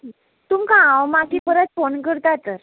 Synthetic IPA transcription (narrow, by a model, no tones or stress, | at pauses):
t̪umkaãwmakifəɾət̪fonkəɾt̪at̪əɾ